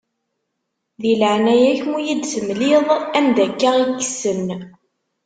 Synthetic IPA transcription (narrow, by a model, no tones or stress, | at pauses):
ðiləʕnæjæçmujid̪səmlɪðˤænd̪ækːaʁikːsən